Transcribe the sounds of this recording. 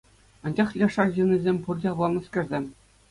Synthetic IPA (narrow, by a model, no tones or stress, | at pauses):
ɑ̆nʲd͡ʑɑχjʲɑʂɑrʑɯ̆nʲizʲemʲpurdʲeɑʋlˠɑnɤ̆skʲɘ̆rʲzʲemʲ